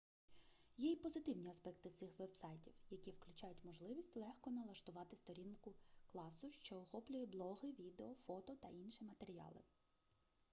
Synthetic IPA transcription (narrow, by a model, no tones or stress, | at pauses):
jɛipɔzɪt̪ɪwnʲiɐspɛkt̪ɪt̪sɪxʋɛbsɑjtʲiwjɐkʲiwklʲʊt͡ʃɑjʊtʲmɔʒlˠɪʋʲisʲtʲlˠɛxkɔnɐlˠɐʃt̪ʊʋɑt̪ɪst̪ɔɾʲinkʊklˠɑsʊʃt͡ʃɔɔxɔplʲʊjɛblˠɔɦɪʋʲid̪eɔfɔt̪ɔt̪ɐʔinʃimɐt̪eɾʲijɑ̰lˠɪ̰